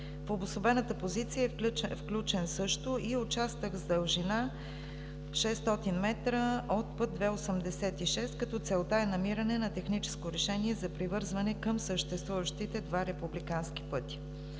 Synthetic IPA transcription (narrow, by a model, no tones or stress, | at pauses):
fobʊsˠobɛnət̪əpozit̪sijəɛfklʲut͡ʃɛnsɤʃt̪ʊʔiot͡ʃast̪əɣzd̪əlˠʒina | fʃɛst̪ɔt̪inmɛt̪ɾəot̪̚pɤt̪̚d̪vɛosəmd̪ɛsɛt̪iʃɛst̪kɐt̪ɔt̪sɛlˠt̪aɛnɐmiɾɐnɛnɐt̪ɛxnit͡ʃɛ̥skoɾɛʃɛniɛzɐpɾivɤɾzvɐnɛkəmsəʃt̪ɛst̪vuvəʃt̪it̪ɛd̪vaɾɛpublikanski̥pɤt̪i̥